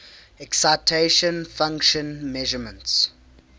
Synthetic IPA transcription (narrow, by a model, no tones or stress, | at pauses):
ɛksaɪtʰeʃə̃nfãŋkʃə̃nmɛʒəmə̃nts